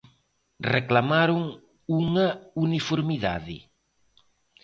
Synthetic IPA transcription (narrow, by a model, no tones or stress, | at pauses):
reklamaɾoŋ | uŋɐunifoɾmiða̰ðɪ̰